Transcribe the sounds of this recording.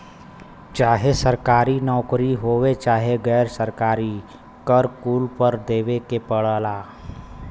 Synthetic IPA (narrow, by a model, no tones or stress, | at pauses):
t͡ʃaːɦesəɾkaːɾinɔːkɾiɦoːwet͡ʃaːɦeɡɛːɾsəɾkaːɾi | kəɾkuːlpəɾd̪eːʋekepəɽaːlaː